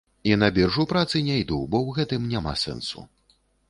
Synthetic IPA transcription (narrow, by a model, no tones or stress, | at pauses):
inɐbʲɛrʐupɾat̪sɨnʲajd̪ubɔwɣɛt̪ɨmnʲama̰sɛ̰nsṵ